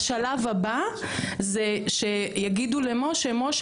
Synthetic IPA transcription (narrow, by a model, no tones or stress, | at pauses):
ʃalavaba | zeʃejaɡid̪ulemo̞ʃemo̞ʃ